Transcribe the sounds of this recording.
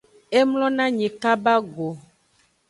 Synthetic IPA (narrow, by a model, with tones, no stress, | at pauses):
e˦mlɔ̃˦nã˦ɲɛ̃˨ka˦ba˦ɡo˨